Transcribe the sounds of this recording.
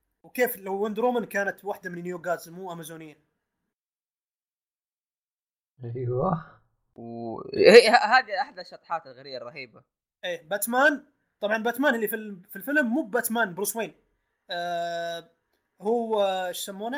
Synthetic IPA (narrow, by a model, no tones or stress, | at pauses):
wkeːflawːɪnd̪ɾoːmɪnkaːnat̪waħd̪amɪnnjoːɡaːt̪zmuːʔamazuːnɪjːa | ʔajwa | whiahaːd̪iʔaħd̪aʃːɑt̪ˤħɑːt̪ɪlɣaɾijːarˤːɑhiːba | ʔeːbat̪maːn | t̪ˤɑbʕɑnbat̪maːnʔɪlːifilfilfɪlmːuːbbat̪maːnbɾʊswiːnː | huːʃːamːuːna